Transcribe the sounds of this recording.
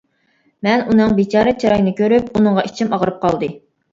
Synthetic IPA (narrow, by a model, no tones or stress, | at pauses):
mɛnunɨŋbit͡ʃʰɑːɾɨt͡ʃʰɑɾɑjnɨkʲʰøɾypunɨŋʁɑʔit͡ʃʰimɑʁəɾɨp̚qʰɑlˠd̪ɨ